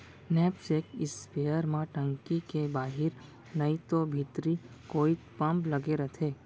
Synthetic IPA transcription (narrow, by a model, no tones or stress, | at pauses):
nɛːpsekɪspeːjəɾmãʈə̃ŋkikebaːɦɪɾ | nɐĩt̪obʱit̪ɾi | koːi | pɐ̃mplɐɡeɾɐt̪ʰeː